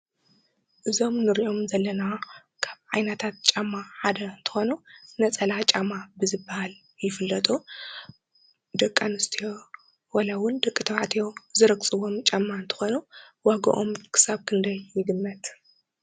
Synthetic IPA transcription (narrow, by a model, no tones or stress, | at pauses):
ʔɨzo̞mnɨɾiʔo̞mzɐlːɐna | kʰaβʕajnɐt̪ʰat̪̚t͡ʃʼamːaħad̪ɐnt̪ʰɨ̥xo̞nunɐt͡sʼɐlat͡ʃʼamabɨzɨbːahal | jɪfɨlːɐt̪ʼu | d̪ɐkʼːanɨst̪ʰijo̞ | walawʊnd̪ɐkʼːɨt̪ʰɐβʕat̪ʰijo̞zɨɾɐkt͡sʼɨwomt͡ʃʼamːaɨnt̪ʰɨ̥xo̞nuwaɡɐ̰ʔomkʰɨ̥saβkʰɨnd̪ɐjːɪɡɨmːɐt̪